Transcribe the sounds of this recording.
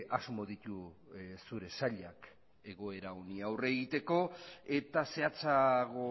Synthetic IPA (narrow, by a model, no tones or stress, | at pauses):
azmo̞ðit̪u | suɾe̞saʎak | e̞ɣ̞o̞e̞ɾaoniawre̞ɣit̪e̞ko̞e̞t̪ase̞at͡saɣo̞